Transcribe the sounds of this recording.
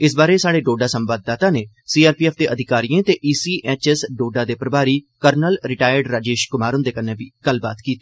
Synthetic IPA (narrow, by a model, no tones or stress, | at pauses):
ɪsbaːɾeːsaːɽeːɖoːɖaːsəmbaːd̪ːaːt̪ãːneː | siːaːɾpiɛːpʰd̪eːʔəd̪ʱɪkaːɾijẽːt̪eːʔiːsiːʔɛːt͡ʃɛsɖoːɖaːd̪eːpɾəbaːɾiːkəɾnəlɾɪʈaːjəɾɖɾaːd͡ʒeːʃkʊmaːɾʊnd̪eːkənːẽːbiːɡ̥əlba̰ːt̪kiːt̪i̥ː